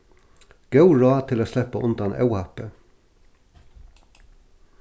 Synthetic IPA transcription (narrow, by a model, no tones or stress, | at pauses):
ɡ̥ɑʉɹɑːt̪ʰɪloːslɛpəʔʊnd̪ɑnʔɑ̰ʉhɑpə